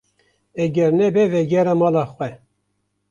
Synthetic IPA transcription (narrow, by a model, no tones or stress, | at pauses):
ɛɡɛɾnɛbɛvɛɡɛɾɑmɑlɑxwɛ